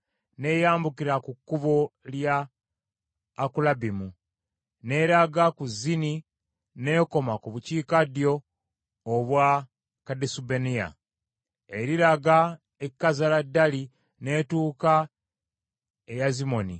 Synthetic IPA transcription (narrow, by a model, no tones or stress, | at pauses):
ne̞jaːmbukiɾakukːuβolja | kulabimu | ne̞ɾaɡakuzːini | ne̞ko̞makuβuciːkadjo̞ː | βwa | kadesubenia̰ | eɾiɾaɡa | ekːazaladːali | ne̞ːtuːka | ejazimo̞ni